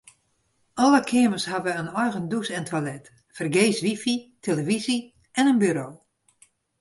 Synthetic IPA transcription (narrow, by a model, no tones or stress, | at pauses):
ɔləkʰɪəməshaʋəənɔjɣəndusɛntʰwalɛt | fərɡeːsʋifitʰeləvizi | ɛnənbyɾoː